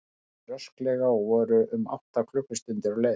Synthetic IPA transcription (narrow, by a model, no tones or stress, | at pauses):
rœsklɛɣavɔːɾʏʔʏma̰wht̪akʰlʏhkːʏst̪ʏnt̪ɪɾle